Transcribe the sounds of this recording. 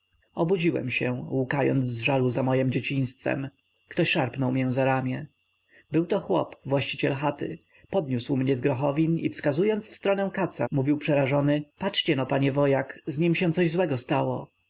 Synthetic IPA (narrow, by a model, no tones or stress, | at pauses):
ɔbud͡ʑiwɛ̰mɕɛwukajɔ̰nd̪zzʐaluzamɔjɛmd͡ʑet͡ɕij̃st̪fɛ̰m | kt̪ɔɕʂaɾpnɔwmɲɛ̃zaɾamʲjɛ | bɘwt̪ɔxwɔ̰pvwaɕt͡ɕit͡ɕɛlxat̪ɘ̰ | pɔd̪̚ɲuswmɲɛzɡɾɔxɔvʲinḭfskazujɔnt̪sfst̪ɾɔnɛw̃kat̪sa̰muvʲiwpʂɛɾaʐɔnɘpatʂt͡ɕɛnapaɲɛvɔjakzɲimɕɛ̃t̪sɔʑzwɛɡɔst̪awɔ